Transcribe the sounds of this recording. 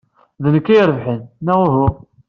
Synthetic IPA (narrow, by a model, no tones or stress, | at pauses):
ðnəkːiɾəvħənnæʁuɦu